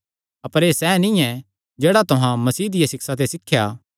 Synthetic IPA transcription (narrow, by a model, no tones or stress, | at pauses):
ɐpəɾeːsɛnĩɛ̃ | d͡ʒeːɽat̪ʊɦãmɐsiːd̪ɪjasɪksat̪̬esɪkʰːjaː